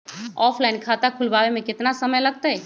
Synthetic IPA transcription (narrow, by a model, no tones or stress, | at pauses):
ɔːpʰlainkʰat̪akʰʊlbaʋemẽkɪt̪nasəməjləɡ̚t̪əj